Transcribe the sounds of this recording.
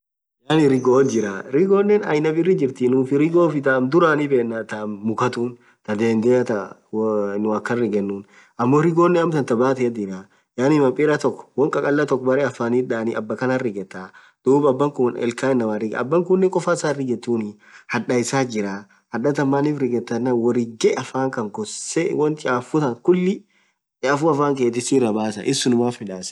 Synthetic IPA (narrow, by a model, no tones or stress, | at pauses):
jaːnɪɾɪɡod͡ʒɪɾaɾɪɡo̞ːnːɛnɐ̰jnɐbɪrːɪd͡ʒɪɾt̪ɪnʊfɪɾɪɡoːfɪt̪amd̪ʊɾaːnɪbeːnːat̪amːʊkɐt̪uːn | t̪ɐd̪eːnd̪et̪ɐ | nʊɐkːɐrɪɡɛnːuːn | ɐmːoːɾɪɡoːnːɛɐmt̪ɐnt̪ɐbaːt̪ɛɐd̪ɪɾa | jaːnɪmɐmpʼɪɾɐt̪ɔkːɔ̥wɔŋkʼɐkʼɐlːɐt̪ɔkːɔbɐɾɛɐfːaːniːᶑaːnɪʔɐbːɐkɐnarɪɡɛt̪ːaː | d̪̥uːbɐbːɐŋkʊnɛ̰lkaːɪnːɐmɐrɪɡɐ̰bːɐŋkʊnːɛŋkʼɔfaɪsarɪɡɛt̪ːuːnɪ | hɐᶑɐɪsaːd͡ʒɪɾaː | hɐᶑɐt̪ɐmːaːnifɾɪɡɛt̪ːɐnːɐwɔɾɪɡɛʔɐfaːŋkɐŋɡɔsewɔnt̪ɪaːfʊt̪ɐŋkʊlːɪ | t͡ʃaːfuːɐfaːŋkeːt̪̬ːɪsiːɾɐbaːsɐ̰ʔɪsʊnʊmaːfmɪᶑaːs